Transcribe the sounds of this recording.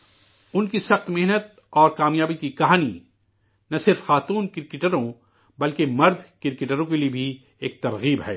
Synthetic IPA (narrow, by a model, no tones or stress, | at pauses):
ʊnkisɐxt̪mɪɦnət̪̚ | ɔːɾkaːmjaːbikikɐɦaːni | nɐsɪɾfxaːt̪uːnkɪɾkɪʈəɾõ | bɐlkemɐɾd̪ʱkɪɾkeʈəɾõkeliebʱi | eːk̚t̪ɐɾɣiːbɦɛː